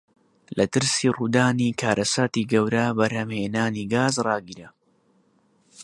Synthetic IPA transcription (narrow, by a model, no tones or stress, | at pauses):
lɐt̪ɨɾsiːruːd̪aːniːkʰaːɾʔɐsaːt̪iɡɐwɾɐbɐɾhɐmheːnaːniɡaːzrɑːɡiɾɐ